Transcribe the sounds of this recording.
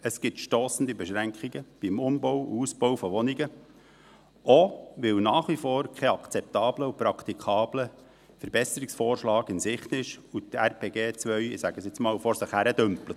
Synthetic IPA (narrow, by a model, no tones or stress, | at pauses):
əsɡ̥ɪtʃtoːsən̩d̪ibɛʃɾæŋkχiɡəb̥imʊmbowṵusb̥oʊwfɔʋɔniɡə | ʔɔʋɪlnɑːχʋifɔːɾkʰɛɑkt͡sɛp̚t̪ɑːbləupɾɑkt̪ikʰɑːb̥lə | fəɾbɛsəɾiksfɔːrʃlɑːɡɪnsɪχt̪ɪʃut̪ærpʰeːɡeːt͡sʋœʏɪsæɡ̥əsɛt͡smɑːwfɔɾsɪχhæɾəd̥̪ʏmplət